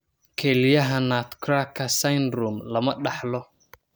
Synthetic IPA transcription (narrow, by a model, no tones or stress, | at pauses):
kʰɛlɪjɐɦɐnaːt̪kʰrakʰːɐsɐjnruːmlɐmɐɖɑħlɔ